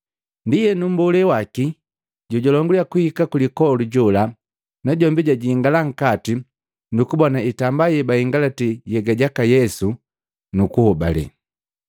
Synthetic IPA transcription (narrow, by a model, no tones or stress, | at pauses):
ndijɛnum̩bɔlɛwaki | ɟɔɟɔlɔŋɡuljakuhikakulikɔluɟɔla | naɟɔmbiɟaɟiːŋɡalaŋ̩kati | nukubɔnaitambajɛbaiŋɡalatɛjɛɡaɟakajɛsu | nukuhɔba̰lɛ̰